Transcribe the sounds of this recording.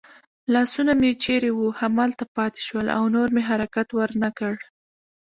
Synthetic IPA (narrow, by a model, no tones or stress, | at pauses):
lɑsunamet͡ʃeɾewuhamɑlt̪apɑt̪e̥ʃwəla̰wnoɾmeɦaɾakat̪wəɾnakəɽ